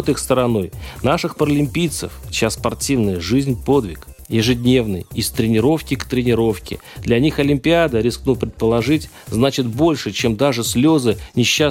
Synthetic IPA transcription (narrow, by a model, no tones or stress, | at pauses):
t̪ɨxst̪əɾɐno̞jnaʂɨxpəɾəlʲɪmʲpʲijt̪sə̰ft͡ɕasːpɐrtʲivnəjəʐɨzʲnʲpo̞d̪vʲɪk | jɪʐɨdʲnʲe̞vnɨ̰jɪst̪ɾʲɪnʲɪɾo̞fkʲɪkt̪ɾʲɪnʲɪɾo̞fkʲɪ̰ | d̪lʲɐnʲixɐlʲɪmʲpʲɪad̪əɾʲɪsknupɾʲɪt̪̚pəlˠɐʐɨtʲznat͡ɕɪt̪bo̞lʲʂɨt͡ɕe̞md̪aʐɨsʲlʲo̞zɨnʲɪɕːa